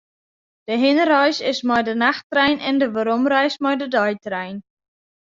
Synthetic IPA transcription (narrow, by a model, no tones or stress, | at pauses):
d̥əɦɪnərœjsɪsmɔjdənaxtrɛjnɛndəʋəɾomrœjsmɔjdədɔjtrɛjn